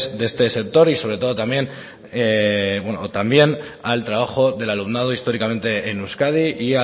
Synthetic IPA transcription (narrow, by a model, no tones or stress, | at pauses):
zd̪eest̪e̞se̞k̚t̪o̞ɾiso̞β̞ɾet̪o̞ð̞o̞t̪amje̞n | ebwenot̪ambje̞nalt̪ɾaβaxo̞ðe̞lalumnað̞oist̪o̞ɾikamẽ̞nt̪e̞ːnuskað̞iʔia